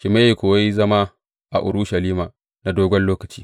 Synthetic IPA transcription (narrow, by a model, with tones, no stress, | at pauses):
ʃɪ˨ma˦je˨kʷoː˨wa˦jzɐ˦ma˦ | ʔa̰˨ʔʊ̰˨ɾʊ˦ʃa˨liː˦maː˨ | na˨doː˦ɡʷɔ˦nloː˦kɐ˨t͡ʃiː˦